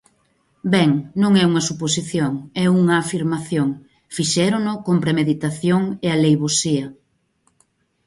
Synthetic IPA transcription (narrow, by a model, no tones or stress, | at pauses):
bɛŋnõŋɛuŋɐsuposiθjoŋɛuŋɐːfiɾmaθjoŋ | fiʃɛɾonʊkompɾemeðit̪aθjoŋealejβosiɐ